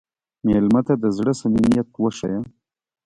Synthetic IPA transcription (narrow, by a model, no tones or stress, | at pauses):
melmat̪ad̪əzɽəsaminijat̪wəʂa̰ja